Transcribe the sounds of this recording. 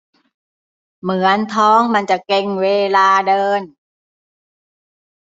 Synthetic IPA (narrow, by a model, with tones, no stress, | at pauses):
mɯ˨˩˦ənt̪ʰɔː˦˥ŋma˧nt͡ɕa˨˩ke˧˩ŋweː˧laː˧dɤː˧n